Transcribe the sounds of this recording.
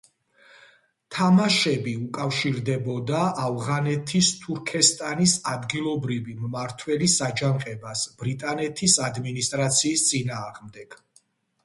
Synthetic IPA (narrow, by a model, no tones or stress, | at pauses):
t̪ʰamaʃɛbiukʼafʃiɾd̪ɛbɔd̪aːvʁanɛt̪ʰist̪ʰuɾkʰɛst̪ʼanisad̪ɡilˠɔbɾivimmaɾt̪ʰwɛlisad͡ʒanqʼɛbasb̥ɾit̪ʼanɛt̪ʰisad̪minist̪ʼɾat̪sʰiːst̪sʼinaːʁmd̪ɛɡ̥